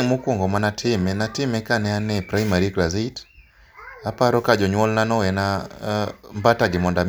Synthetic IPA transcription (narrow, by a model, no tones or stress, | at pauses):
mukuŋɡɔmanatʰimɛnatimɛkanɛanɛpɾaimaɾiklaziit | apaɾɔkad͡ʒɔɲwɔlnanɔwɛna | mbataɡimɔndam